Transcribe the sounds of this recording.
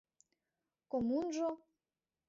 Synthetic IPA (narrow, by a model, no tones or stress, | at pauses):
komunʒo